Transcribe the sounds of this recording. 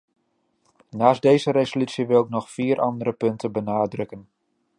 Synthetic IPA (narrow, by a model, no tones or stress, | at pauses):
naːsdejzəɾezolysiʋɪlɪk̚nɔxfiːɾʔɑndəɾəpɵntəbənaːdrɵkən